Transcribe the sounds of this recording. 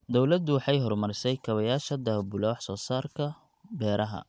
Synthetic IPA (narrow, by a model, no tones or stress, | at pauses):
d̪ɔwlɐd̪ʊwɑħɑjɦɔrmɐrɪsɛjkʰɐβɐjaːʃɐd̪ɐbʊlɔːħsɔːsaːrkʰɐ | bɛːɾʔɐɦɐ̰